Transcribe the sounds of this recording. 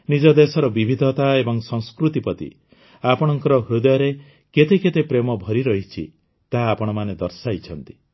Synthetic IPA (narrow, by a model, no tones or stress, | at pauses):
nid͡ʒɔd̪esɔɾɔbibʱid̪ʱɔt̪aebɔŋsɔŋskɾut̪ipɔt̪ḭ | apɔɽ̃ɔŋkɔɾɔɦɾud̪ɔjɔɾe | ket̪eket̪epɾemɔbʱɔɾiɾɔɦit͡ʃʰḭ | t̪aːpɔɽ̃ɔmaned̪ɔɾsajt͡ʃʰɔnt̪i